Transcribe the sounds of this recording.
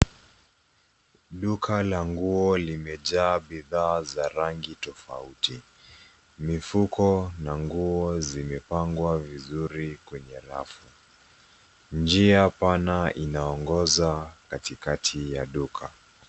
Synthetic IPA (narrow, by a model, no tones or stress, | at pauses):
ɗukʰalaŋɡuɔlimɛʄaːɓiðaːzaɾaŋɡitɔfa̰uti | mifukʰɔnaŋɡuɔzimɛpaŋɡwavizuɾikwɛɲɛɾa̰fu | nd͡ʒiapanainaɔŋɡɔzakatikatʰijaɗukʰa